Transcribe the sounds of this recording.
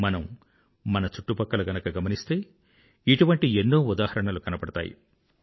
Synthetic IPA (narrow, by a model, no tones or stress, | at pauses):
mɐnɐmː | ɐnɐt͡ʃu̥ʈːupɐkːɐlɐɡɐnɐkɐɡɐmɐnist̪e̞ː | iʈuʋɐɳʈienːoːud̪aːhɐɾɐɳɐlukɐnɐpɐɽɐt̪a̰ːjḭ